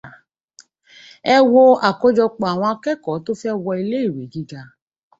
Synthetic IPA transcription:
ɛ˧wo˧a˨ko˧d͡ʒɔ˧k͡pɔ˨a˨w̃ɔ̃˧a˧kɛ˦kɔ˨˦to˦fɛ˦wɔ˧i˧le˦i˦˨ɾe˨˦d͡ʒi˦d͡ʒa˧

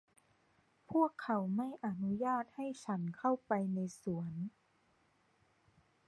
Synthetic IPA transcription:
pʰu˥˩əkʰːa˩˦wma˥˩jʔa˧nu˦˥jaː˥˩t̪̚ha˥˩jt͡ɕʰa˦˥nkʰa˥˩wpa˧jna˧jsu˩˦ən

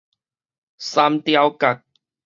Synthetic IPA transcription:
sa˧˥mt̪ja˧wka˨˩k̚

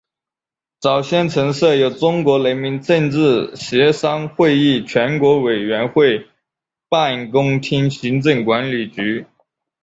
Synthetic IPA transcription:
t͡sɑ˨˩ʊɕjɛ˥˩nt͡sʰɤ˧˥ŋsɤ˥˩jo˧˥ʊʈ͡ʂʊ˥ŋkwɔ˧˥le˧˥ɪmi˧˥ŋʈ͡ʂə˥˧nʈ͡ʂɻ̩˥˩ɕɛ˧˥ʂɑ˥ŋxwe˥˧ɪi˥˩t͡ɕʰɥɛ˧˥nkwɔ˧˥we˨˩ɪɥɛ˧˥nxwe˥˧ɪ | pa˥˩nkʊ˥ŋt̪ʰi˥ŋɕi˧˥ŋʈ͡ʂɤ˥˩ŋkwa˧˥nli˨˩t͡ɕy˧˥

